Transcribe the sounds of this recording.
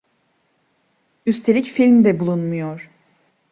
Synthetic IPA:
yst̪ʰe̞lʲicfilʲmd̪ɛbulˠunmujoɾ̥

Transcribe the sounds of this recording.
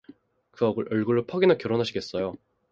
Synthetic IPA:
kɯʌɡɯɾʔʌɭɡɯɭːopʰʌɡinakjʌɾonɦaɕʰiɡe̞s͈ʌjo

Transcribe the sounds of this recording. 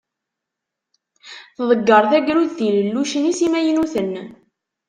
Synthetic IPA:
θðˤəɡːəɾˤθæɡɾuðθiləlːuʃənisimæjənuθən

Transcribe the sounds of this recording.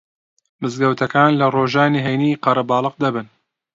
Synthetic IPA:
mɨzɡɐwt̪ʰɐkaːnlɐroːʒaːniːɦɛjniːqɐɾɐbɑːlˠɨq̚d̪ɐbɨn

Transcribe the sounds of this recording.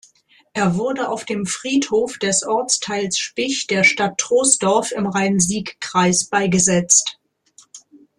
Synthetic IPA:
ʔeːɐvʊɐdəʔaʊfd̥eːmfʁ̥iːthoːfd̥ɛsʔɔɐt͡stʰaɪlsʃpɪçd̥eːɐʃtatʰːʁ̥oːsd̥ɔɐfɪmʁaɪnziːkkʁ̥aɪsb̥aɪɡəzɛt͡st

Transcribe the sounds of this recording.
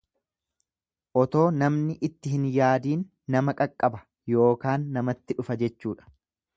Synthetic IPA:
ʔɔt̪o̞ːnɐmnɪʔɪt̪ːɪɦɪnjaːd̪iːnː | ɐmɐkʼɐkʼːɐbɐ̥ | jo̞ːkaːnːɐmɐt̪ːɪᶑʊfɐd͡ʒɛt͡ʃːuːᶑɐ̥

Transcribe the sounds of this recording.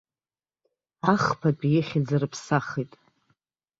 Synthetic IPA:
aχpʰapʼjeχʲɪd͡zarɨpʰsaχejtʼ

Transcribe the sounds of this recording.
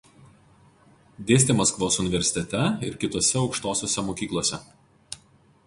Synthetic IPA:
d̪ʲeːsʲt̪ʲeːmɐskʋoːsʊnʲɪʋʲɛɾʲsʲɪ̥t̪ʲɛt̪ʲɛɪɾkʲɪt̪oːsʲɛɒʊkʃt̪oːsʲoːsʲɛmoːkʲiːklˠoːsʲɛ̰

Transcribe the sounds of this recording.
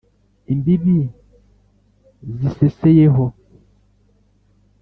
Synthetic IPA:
imbibi | zisesejeɦɔ

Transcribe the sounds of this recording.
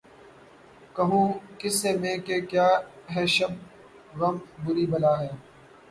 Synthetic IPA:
kəɦũːkɪseːmẽːkeːkjaːɦɛːʃəb̚ | ɣəmbʊɾiːbəlaːɦɛː

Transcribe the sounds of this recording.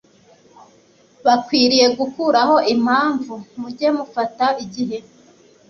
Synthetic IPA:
βakwiːɾije̞ɡukuɾaɦo̞ʔim̥haːɱvumuɟe̞mufataʔiɟiɦe̞

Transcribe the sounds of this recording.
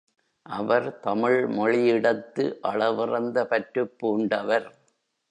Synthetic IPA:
ʔɐʋɐɾt̪ɐmɪɭmɔɻɪjɪɽɐt̪ːɯʔɐɭɐʋɪrɐnd̪ɐpɐʈɾɯpːuːɳɖɐʋɐɾ

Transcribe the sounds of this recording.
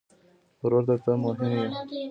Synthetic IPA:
ɾoɾd̪əɾt̪əmʊɦɪmje

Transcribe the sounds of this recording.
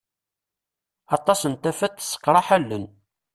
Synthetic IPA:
ɑt̪ˤɑsənt̪æfæt̪ːsːə̥qːɾˤɑħælːən

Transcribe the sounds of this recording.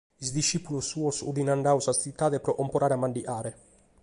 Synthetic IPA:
izd̪iʃːipulusːuːosṵd̪inaɳɖawsast̪it̪ːaːd̪epɾɔʔɔmpoɾaːɾamːaɳɖiʔaːɾe

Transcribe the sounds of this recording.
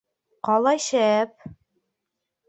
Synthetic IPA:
qɑlˠɑjɕæp̚

